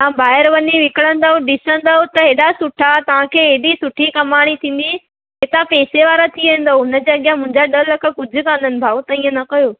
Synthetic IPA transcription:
ãbaːɦɪɾʋɐɲiʋɪkɪɽə̃nd̪aɦõɖɪsə̃nd̪aːot̪ɐɦeɗasʊʈʰat̪ɐʋ̤ãkʰeːɦeɦɗisʊʈʰikɐmaːɽ̃it̪ʰĩːn̆d̪i | ɦeːt̪apeːseʋaːɾat̪ʰiʋẽːn̆d̪oʊnə̆d͡ʑeːɐɠɪjãmʊ̃ɦɪɲd͡ʑaɗɐɦlɐkʰə̆kʊd͡ʑʱʊ̆kãːn̆d̪ənɪ̆bʱaːut̪ɐĩːə̃nɐkɐjoː

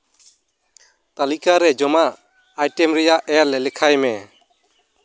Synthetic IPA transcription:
t̪alikaɾɛd͡ʒɔma | ajʈɛmɾɛjaʔʔɛlɛlɛkʰajmɛ

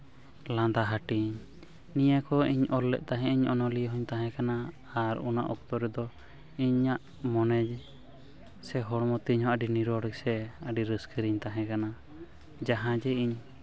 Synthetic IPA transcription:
lãnd̪aɦaʈiɲ | nijakɔiɲɔlːɛ̰ʔ̚ˀt̪aɦɛ̃ʔiɲɔnɔlijɦɔɲt̪aɦɛ̃kana | aɾṵna̰ʔɔk̚t̪ɔɾɛd̪ɔ | iɲːaʔ | mɔnɛd͡ʒ | sɛɦɔɽmɔt̪iɲɦɔ̃ʔəɖiniɾɔɽɛksɛəɖiɾəskʰəɾiɲt̪aɦɛ̃kana | d͡ʒaɦãd͡ʒɛiɲ

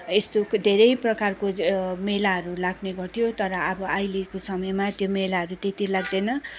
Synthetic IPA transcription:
est̪od̪ʱeɾʌjprʌkarkomelaɦʌɾulaɡneɡʌrt̪ʰijot̪ʌɾʌʌbʌajlikosʌmʌjmat̪jomelaɦʌɾut̪et̪ilaɡd̪ʌjnʌ

